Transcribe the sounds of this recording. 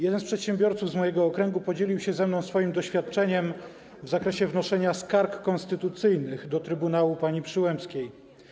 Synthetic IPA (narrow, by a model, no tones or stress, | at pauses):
jɛd̪ɛnspʂɛt̪ɕɛmbʲjɔɾt̪suvzmɔjɛɡɔːkɾɛŋɡupɔd͡ʑelʲiwɕɛzɛmnɔw̃sfɔjimd̪ɔɕfʲjat̪̚t͡ʂɛɲɛm | vzakɾɛɕɛvnɔʂɛɲaskaɾkːɔnst̪ɘt̪ut̪sɘjnɘɣd̪ɔt̪ɾɘbunawupaɲipʂɘwɛmpskʲej